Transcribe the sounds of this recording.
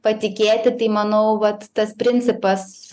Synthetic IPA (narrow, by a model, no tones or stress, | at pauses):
pɐt̪ʲɪkʲeːt̪ʲɪt̪ɐɪmɐnɐʊʋɐt̪ːɐspʲɾʲɪnʲt͡ssʲɪpɐs